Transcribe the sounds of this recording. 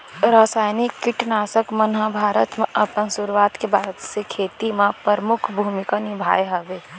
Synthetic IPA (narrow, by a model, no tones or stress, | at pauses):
ɾaːsaːjnɪkːɪʈnaːsəkmənɦəbʱaːɾət̪mẽʔəpənsʊɾuwaːt̪kebʱaːɾət̪sekʰeːt̪imẽpɾəɾəmʊkʰbʱuːmɪkanɪbʱa̰ːjɦəʋeː